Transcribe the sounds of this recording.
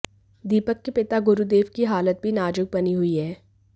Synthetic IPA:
d̪iːpəkːepɪt̪aɡʊɾud̪eːʋkiɦaːlət̪̚bʱinaːd͡ʒʊɡ̚bɐniɦʊiɦɛː

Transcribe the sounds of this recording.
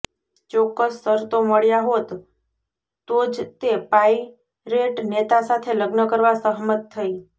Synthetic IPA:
t͡ʃɔkːəsːəɾt̪oməɭjaɦot̪ | t̪od͡ʒt̪epai | ɾeʈnet̪asat̪ʰeləɡnəkəɾʋasəɦmət̪ʰːəi

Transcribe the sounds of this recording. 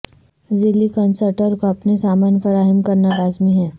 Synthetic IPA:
zɪlːikɐnsəɾʈəɾkoɐpnesaːmaːnfɐɾaːɦəmkɐɾnaɾaːzmiɦɛː

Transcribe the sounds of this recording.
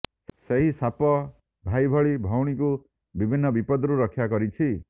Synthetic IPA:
seɦisapɔ | bʱajbʱɔɭibʱɔwɽ̃iku | bibʱinːɔbipɔd̪ɾuɾɔkʰːjakɔɾit͡ʃʰi

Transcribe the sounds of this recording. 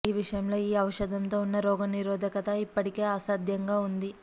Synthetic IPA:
iːʋiʂɐjɐmlo̞ːiːɐwɐʂɐd̪ʱɐmt̪o̞ːunːɐɾɔːɡɐniɾoːd̪ʱɐkɐt̪ɐipːɐʈike̞ːaːsaːd̪ʱjɐŋɡaːund̪i

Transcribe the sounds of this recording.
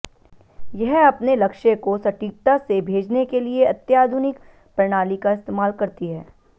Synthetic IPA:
jɛɦɐpnelɐkʃẽkosɐʈiːk̚t̪asebʱeːd͡ʒnekelieɐt̪jaːd̪ʱʊnɪk | pɾɪɽ̃aːlikaɪst̪eːmaːlkɐɾt̪iɦɛː

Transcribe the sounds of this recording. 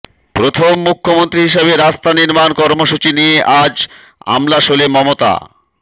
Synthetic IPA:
pɾot̪ʰomːukʰːomont̪ɾiɦiʃeβeɾast̪aniɾmankɔɾmoʃut͡ɕinieʔad͡ʑ | a̰mlaʃolemɔmot̪a̰

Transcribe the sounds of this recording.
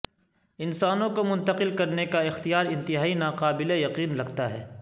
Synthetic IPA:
ɪnsaːnõkomʊ̃nt̪əqɪlkɐɾnekaɪxt̪ijaːɾɪ̃nt̪ɪɦaːinaːqaːbɪlejɐqiːnlɐɡt̪aɦɛː

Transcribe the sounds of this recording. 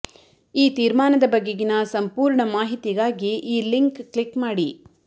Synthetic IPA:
iːt̪iːɾmaːnɐd̪ɐbɐɡːeɡinɐsɐmpuːɾɳɐmaːɦit̪iɡaːɡiʔiːliŋkklikmaːɽi

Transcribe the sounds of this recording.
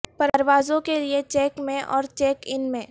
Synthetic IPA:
pɐɾəɾʋaːzõkeliet͡ʃɛːkmẽʔɔ̰ːɾt͡ʃɛːkɪnmẽ

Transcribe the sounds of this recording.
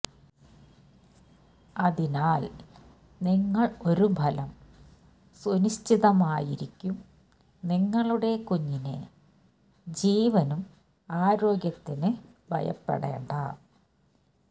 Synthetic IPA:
ɐðinaːl | niŋːɐɭo̞ɾubʱɐlɐm | suniɕt͡ɕiðɐmaːjiɾikʲːum | niŋːɐɭuɽe̞kuɲːinḛ | d͡ʑiːʋɐnum | aːɾo̞ːɡjɐt̪ːinɨ | bʱɐ̰jɐ̰pːḛɽḛːɳɖɐ

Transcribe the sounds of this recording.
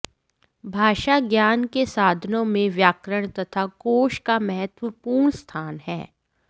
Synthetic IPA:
bʱaːʃaɡjaːnkesaːd̪ʱənõmẽʋjaːkɾəɽ̃t̪ɐt̪ʰakoːʃkamɛɦɛt̪ʋəpuːɾɳst̪ʰaːnɦɛ̰ː

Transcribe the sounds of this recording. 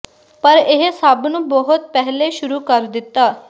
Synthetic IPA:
pəɾɪɦsəbnũːbɔɦʊt̪̚pɛɦleːʃʊɾuːkəɾd̪ɪt̪ːaː

